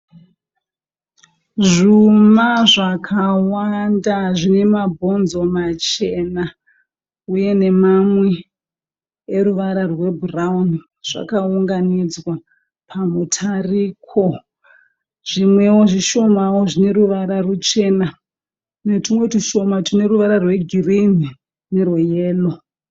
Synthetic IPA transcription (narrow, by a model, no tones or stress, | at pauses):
ʐumaʐakʰawandaʐine̞mabʱo̞nzo̞mat͡ʃe̞na | uje̞ne̞mamwe | eɾuʋaɾarwe̞bʱurauni | ʐ̥a̰kauŋɡanid͡zwa | pʰamutʰariːkʰo̞ | ʐ̥imwe̞wo̞ʐiʃo̞mawoʐine̞ɾuʋaɾarut͡ʃe̞ːna | netimwe̞tiʃo̞matine̞ɾuʋaɾarwe̞ɡʱirini | nerwojeːlo̞